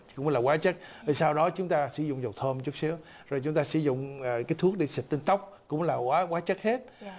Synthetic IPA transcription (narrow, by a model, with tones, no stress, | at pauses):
kʊ̰˧˥ŋ͡mlaː˨˩waː˨˦t͡ɕə˦˥k̚vi˨˩saː˧wɗɔ˨˦t͡ɕʊ˨˦ŋ͡mt̪aː˧sɨ̰˧˩˦zʊ̰˧˨ŋ͡mzə˨˩w̚t̪ʰəː˧mt͡ɕɨ˦˥əksi˨˦əw | zo˨˩jt͡ɕʊ˨˦ŋ͡mt̪aː˧sɨ̰˧˩zʊ̰˧˨ŋ͡mkaː˨˦jt̪ʰu˦ək̚ɗe˧˩si˨˩t̚t̪i˧nt̪ə˦˥wk͡p̚kʊ̰˧˥ŋ͡mlaː˨˩kwaː˨˦ɣwaː˨˦t͡ɕə˦˥k̚he˦˥t̚